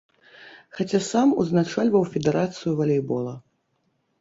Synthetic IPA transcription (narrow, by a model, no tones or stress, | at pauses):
xat͡sʲasamuznat͡ʂalʲvɐwfʲɛd̪ɛɾat̪sɨjuvɐlʲɛjbɔlˠɐ